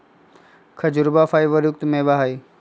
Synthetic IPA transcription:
kʰɐd͡ʑʊɾbaːfaːiʋəɾjʊkt̪mẽːbaɦaːiː

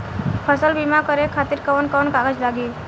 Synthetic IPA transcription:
pʰəsəlbimakəɾekʰat̪iɾkəʋənkɔnkaɡəd͡ʒlaɡi

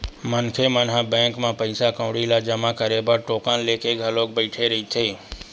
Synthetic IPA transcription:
mənkʰemənɦãbɛ̃ːŋkmãːpəɪsakə̃ʋɽilad͡ʒəmakəɾebəɾʈoːkaːnleːkeɡʱaloːk̚bəɪʈʰeɾəɦit̪ʰeː

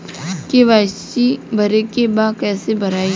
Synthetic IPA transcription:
keʋaːt͡ʃibʱɐɾekebaːkɛːsebʱɐɾaːi

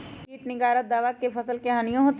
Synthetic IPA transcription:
iːʈnɪɡaːɾət̪̚d̪aːʋakepʰɐsəlkeɦaːnijõɦoːt̪

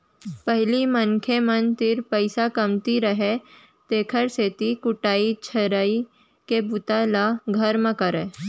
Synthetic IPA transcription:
pəɦlimənkʰemənt̪ɪɾpəɪsakɐmt̪iɾɐɦe | t̪eːkʰəɾseːt̪ikʊʈaːit͡ʃʰɐɾaːi | kebʊt̪alaɡʱɐɾmə̃kəɾeː

